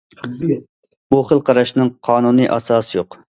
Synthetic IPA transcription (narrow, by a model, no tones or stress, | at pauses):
buχəlˠqʰɑɾɑʃnɨŋqʰɑːnunɨʔɑ̰sɑːsɨjoq